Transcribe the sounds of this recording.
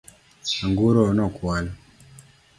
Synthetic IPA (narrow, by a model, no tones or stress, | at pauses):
aŋɡuɾonɔkwala